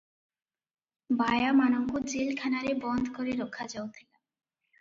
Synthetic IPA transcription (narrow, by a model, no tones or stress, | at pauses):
bajamanoŋkud͡ʑilkʰanaɾebɔnd̪ʱkoɾeɾokʰːad͡ʑowt̪ʰɛka